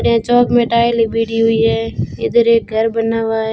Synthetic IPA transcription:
ɽãːt͡ʃɔːkmẽʈaːlibiːɽiɦʊiɦɛːɪ̰d̪əɾeːk̚ɡʱəɾbənaːʋaːɦɛ

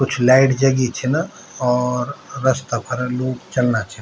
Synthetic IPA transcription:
kʊt͡ʃʰlaːɪʈd͡ʒɐɡit͡ʃʰɛna | ɔːɾːɐst̪apʰɐɾloːɡt͡ʃɐlnat͡ʃʰɛn

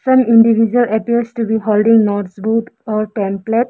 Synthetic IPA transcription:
sʌ̃mĩɳɖiʋʱid͡ʒuələpiəɾsʈubiɦolɖĩŋnɔɾbuʈɔɾʈɛ̃mpleʈ

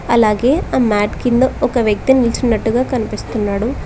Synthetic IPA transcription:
ɐlaːɡe̞ːaːmaːʈkind̪ɐɔkɐʋjɐk̚t̪inilt͡ʃinːɐʈːuɡaːkɐnipist̪unːaːɽu

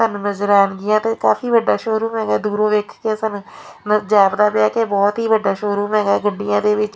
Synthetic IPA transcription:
sənuːnəzɾaːnɡɪjãːt̪eːkaːfiːʋəɖːaːʃoːɾuːmɦɛ̃ːɡaːd̪uːɾõːʋeːkʰkeːsənuːnəd͡ʒaːbd̪aːpɪaːkeːbɔːt̪ɦiːʋəɖːaːʃoːɾuːmɛ̃ːɡaːɡəɖːɪjãːd̪eːʋɪt͡ʃ

